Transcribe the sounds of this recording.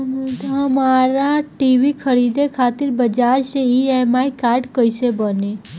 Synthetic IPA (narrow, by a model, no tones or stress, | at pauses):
t̪ɦəmaɾaʈiʋikʰəɾid̪ekʰat̪iɾbəd͡ʒaɾʃeiemaikaɾɖkəiʃebəne